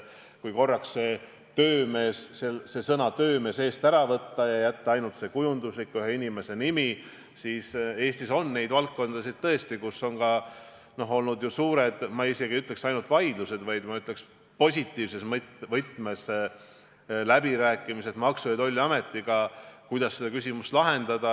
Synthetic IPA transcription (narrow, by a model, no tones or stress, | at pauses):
kujko̞rːɑksse̞ | t̪ø̞ːme̞ːsselse̞sɤnɑt̪ø̞ːme̞ːse̞ːst̪æɾɑvɤt̪ːɑjɑjæt̪ːɑɑjnult̪se̞kujund̪uslikːyɦeinʲime̞se̞nimi | siːse̞ːst̪iso̞nːe̞jd̪̥vɑlkkːo̞nd̪ɑsid̪̥̚t̪ːɤe̞st̪ikuso̞nkɑ | no̞ɦo̞lnud̪jusuːɾe̞d̪̥mɑise̞ɡiyt̪ːˑle̞ksɑjnult̪vɑjd̪luse̞d̪̥vɑjd̪mɑyt̪ːˑle̞ks | po̞s̬ʲit̪ːˑiːvse̞smt̪vɤt̪ːˑme̞s | læbiɾæːkːˑimise̞t̪mɑksujɑd̪o̞lʲːɑme̞t̪ːiɡ̥ɑkujd̪ɑsːed̪ɑkysʲimust̪lɑɦe̞nd̪̥ɑd̪̥ɑ